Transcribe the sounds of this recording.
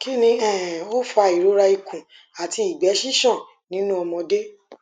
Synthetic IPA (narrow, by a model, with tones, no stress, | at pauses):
ki˦nĩ˧ɛ̃˦˨o˦fa˧˨i˨ɾo˨˦ɾa˧i˧kũ˨ | a˨ti˧i˨ɡ͡bɛ˨˦ʃi˦ʃɔ̃˦˨ | nĩ˨˦nũ˦ɔ˧mɔ̃˧de˦